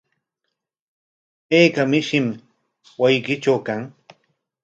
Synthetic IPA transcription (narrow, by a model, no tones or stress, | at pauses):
eːkamɪʃɪm | wajkɪʈ͡ʂawkaŋ